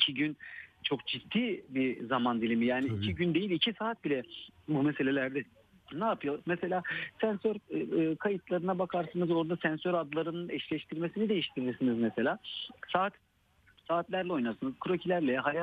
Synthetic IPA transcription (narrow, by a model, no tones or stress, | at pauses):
icʰiɟynt͡ʃʰo̞kd͡ʒit̪ːiːbizamand̪ilʲimijaːniicʰiɟynd̪ejilʲicʰisaːt̪̚bilʲɛbumese̞lʲe̞lʲæɾd̪ɛ | naːpʰɯjomese̞lʲaːsænsøɾːkʰajɯt̪ʰlˠaɾɯnabakʰaɾsanɯzo̞ɾd̪asænsø̞ɾad̪lˠaɾɯnɯnɛʃlʲɛʃt̪ʰiɾmesinid̪ejiʃt̪ʰiɾiɾsinizmese̞lʲaːsaːt̪ | saːt̪lʲæɾlʲɛo̞jnaɾsɯnɯzkʰɾo̞cʰilʲæɾlʲɛɦaja